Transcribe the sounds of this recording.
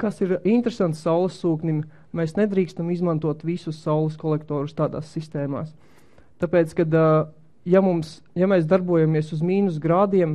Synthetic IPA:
kasiɾint̪ɾesant̪sʲsawlˠesːuːknʲim | meːsned̪ɾiːkst̪amizmãnt̪uɔt̪ʋisusːawlˠeskɔlˠɛkt̪ɔːɾust̪aːd̪a̰ːsːist̪ɛːma̰ːs | t̪apeːt̪skad̪ | jamums | jamɛːs̬d̪aɾbuɔjamiɛsuzmʲiːnus̬ɡɾaːd̪iɛm

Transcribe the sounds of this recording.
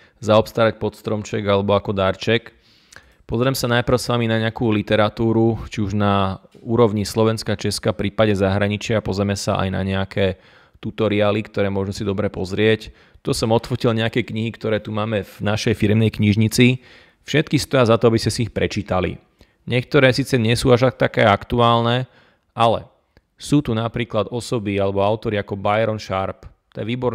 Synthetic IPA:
zaɔpst̪aːɾac̚pɔt̪st̪ɾɔmt͡ʃɛɡalɛbɔakɔd̪aɾt͡ʃɛk | pɔzɾɛmsanajpɾ̩ʊsʋaminaɲɛakuːlit̪ɛɾat̪uːɾut͡ʃiuʒnauːɾɔʋʊɲislɔʋɛnskat͡ʃɛskafpɾiːpaɟɛzaɦɾaɲit͡ʃɪaapɔzɾɛmɛsa̰ʔa̰jna̰ɲɛakʰɛː | t̪ut̪ɔɾiaːlikt̪ɔɾɛːmʊɔʒmusid̪ɔbɾɛpɔzɾɪɛc | t̪ɔsɔmɔt̪fɔcilɲɛakɛkɲiɦikt̪ɔɾɛːt̪umaːmɛvnaʃɛjfiɾɛmnɛjkɲiʒɲit͡si | fʃɛt̪kist̪ɔjazat̪ɔabismɛsiixpɾɛt͡ʃiːt̪alḭ | ɲɪɛk̚t̪ɔɾɛːsiːt͡sɛɲɛsuːaʃak̚t̪akɛːakt̪uaːlnɛ | alɛ̰ | suːt̪unapɾiːklad̪ɔsɔbialɛbɔaʊt̪ɔɾiakɔbajɾɔnʃaɾp | t̪ɛʋiːbɔɾ

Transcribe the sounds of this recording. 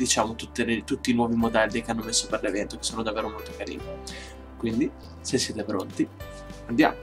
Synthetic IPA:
d̪̥it͡ʃaːmot̪ut̪ːet̪ut̪ːiːnwɔːvimod̪ɛlːikeanːomesːoperlevɛnt̪okesːoːnod̪avːeːɾomolt̪okaɾḭːni | kwind̪i | sesːjɛːt̪epɾont̪i | and̪ja̰ːmo

